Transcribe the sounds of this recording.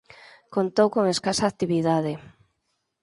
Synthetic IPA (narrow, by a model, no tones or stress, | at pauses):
kont̪owkoŋeskasaːt̪iβiðaðe